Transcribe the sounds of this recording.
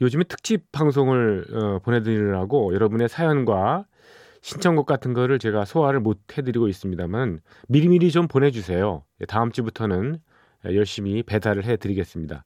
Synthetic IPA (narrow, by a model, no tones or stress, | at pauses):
jod͡ʑɯmɯntʰɯ̥k̚t͡ɕ͈ip̚p͈ʰːaŋs̬ʰoŋɯɭʌponɦe̞dɯiɾaɡojʌɾʌbune̞sʰajʌnɡwa | ɕʰint͡ɕʰʌŋɡʌk͈atʰɯnɡʌɾɯɭt͡ɕe̞ɡasʰowaɾɯɭmot̚ʰhe̞dɯɾiɡois͈ɯmɲidaman | miɾimiɾit͡ɕompone̞d͡ʑus̬ʰe̞joetaɯmt͡ɕ͈ibutʰʌnɯn̰ | jʌɭɕ͈imipe̞daɾɯɭɦe̞tɯɾiɡe̞s͈ɯmɲida̰